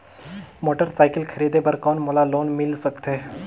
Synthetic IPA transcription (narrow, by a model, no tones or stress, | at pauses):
moːʈəɾsaːɪkəlkʰəɾiːd̪epəɾkɔːnmolaloːnmɪlsəkt̪ɦeː